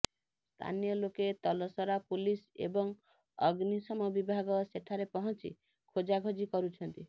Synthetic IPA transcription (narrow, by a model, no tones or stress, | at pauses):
st̪ʰa̰nijɔloket̪ɔlɔsɔɾapulisḛbɔŋ | ɔɡnisɔmɔbibʱaɡɔseʈʰaɾepɔɦɔnt͡ʃḭ | kʰod͡ʒaɡʱɔd͡ʒikɔɾut͡ʃʰɔnt̪i